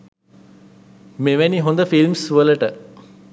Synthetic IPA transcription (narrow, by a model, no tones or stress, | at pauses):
meʋæniɦond̪əfilmsʋələʈə